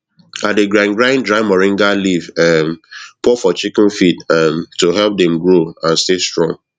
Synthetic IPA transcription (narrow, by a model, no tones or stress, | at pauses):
at̚deɡɹãnɡɹãɪ̃ndɹaɪmɔɹĩŋɡalivɛmpɔfɔt͡ʃikɪ̃nfidɛmtuɦɛlp̚dɛ̃mɡɹoãnstestɹɔ̰̃ŋ